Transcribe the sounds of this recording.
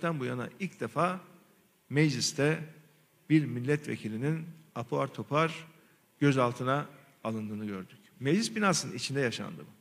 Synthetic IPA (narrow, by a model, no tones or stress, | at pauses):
t̪ʰænbujana̰ʔilʲcd̪efaː | mɛd͡ʒlʲist̪ʰɛ | b̥iɾmilʲːɛt̪ʰvḛcʰilʲininapʰoaɾt̪ʰo̞pʰaɾ | ɟ̥øzalˠt̪ʰɯnaː | lˠɯnd̪ɯːnɯɟø̞ɾd̪yc | med͡ʒlʲisbinaːsɯnit͡ʃʰind̪ɛjaʃa̰nd̪ɯ̰m